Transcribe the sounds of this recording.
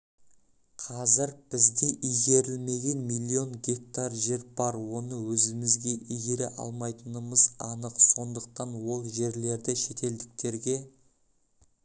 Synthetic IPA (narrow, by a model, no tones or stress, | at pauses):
qʰɑzɪɾb̥ɪzd̪eʔijɡʲe̞ɾɪlme̞ɡʲe̞nmijlʲˠːio̞ŋɡʲe̞k̚t̪arʒe̞ɾbɑɾwo̞nəwɵzɪmɪzɡʲe̞ʔijɡʲe̞ɾeʔɑ̰lˠmɑjt̪ənəməzɑnəqso̞nd̪əq̚t̪ɑnwo̞lˠʒe̞ɾle̞ɾd̪ɪʃe̞t̪e̞ld̪ɪk̚t̪e̞ɾɡʲe̞